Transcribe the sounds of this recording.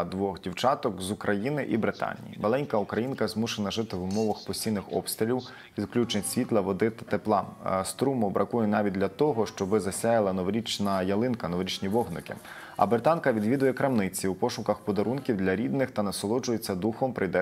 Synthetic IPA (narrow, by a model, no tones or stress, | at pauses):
d̪ʋɔxdʲiwt͡ʃɑt̪ɔkzʊkɾɐjinɪʔibɾɪt̪ɑ̰nʲḭjḭmɐlˠɛnʲkɐukɾɐjinkɐzmuʃenɐʒɪt̪ɪwʊmɔʋɐxpɔsʲijnɪxɔ̰pst̪ɾʲelʲiw | ʋʲid̪klʲut͡ʃnɪtʲsʲʋʲit̪lˠɐʋɔd̪ɪt̪ɐt̪eplˠɑst̪ɾumʊbɾʔɐkujɛnɑʋʲit̚ʲd̪ʲlʲɐt̪ɔɦɔʃt͡ʃɔbɪzɐsʲajɐlˠɐnɔʋɾʲit͡ʃnɐjɐlˠɪnkɐnɔʋɾʲit͡ʃnʲiʋɔɦnɔkɪ̰ | ɐ̰bɾɪt̪ɑnkɐʋʲid̪ʋʲid̪ʊjɛkɾɐmnɪt͡sʲiupɔʃʊkɐxpɔd̪ɐɾunkʲiwd̪lʲɐɾʲid̪nɪxt̪ɐnɐsɔlˠɔd͡ʒʊjet͡sʲːɐd̪uxɔmpɾɪjd̪ɛ